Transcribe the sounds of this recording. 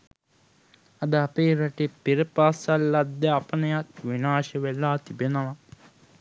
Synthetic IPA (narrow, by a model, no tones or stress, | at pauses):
ɐd̪ɐpeːɾɐʈipiɾpaːsɐlːɐd̪ːɐɐpɐnɐjakʋinaːʃɐʋelːaːt̪ibɐnɐɐ